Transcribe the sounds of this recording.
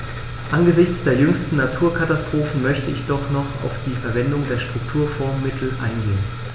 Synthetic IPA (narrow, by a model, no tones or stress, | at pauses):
ʔanɡəzɪçt͡sd̥eːɐjʏŋstn̩natʰuːɐkʰatastʁ̥oːfn̩mœçtəɪçd̥ɔχnɔχa̰ʊfd̥iːfɛɐvɛndʊŋdeːɐʃtʁ̥ʊktʰuːɐfɔɐmːɪtʰl̩ʔa̰ɪnɡeːən